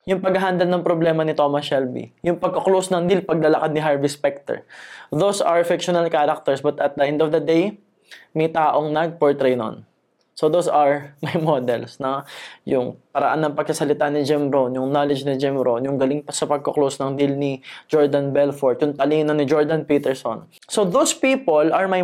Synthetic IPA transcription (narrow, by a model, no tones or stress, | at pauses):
jʊŋpɐɡɐɦand̪ɐlnɐŋpɾoblɛːmɐnɪt̪o̞mɐsɛlbḭjʊŋpɐɡ̚koklowsnɐŋd̪ilpɐɡ̚lɐlɐkad̪nɪɦaɹvɪspɛk̚t̪ɛ̰ɹd̪owsɐɹfɪkʃonɐlkaɾɐk̚t̪ɛɹsbɐt̪ɐt̪̚d̪ɐʔɛ̃nd̪ofd̪ɐd̪ej | mɐjt̪aːʔo̞ŋnɐɡ̚poɹt̪ɾejno̰n | sod̪owsɐɹmɐjmod̪ɛlsnɐjʊŋpɐɾɐ̰ʔanːɐŋpɐɡ̚sɐsɐlɪt̪anɪd͡ʒɛmɾonjʊŋnolɪd͡ʒnɪd͡ʒɛmɾonjʊŋɡɐlɪŋpɐsɐpɐɡ̚koklowsnɐŋd̪ilnid͡ʒɔɹd̪ɐnbɛlfɔɹt̪̚jʊŋt̪ɐliːnonɪd͡ʒɔɹd̪ɐnpiːt̪ɛɹso̰n | soðowspiːpolɐɹmaj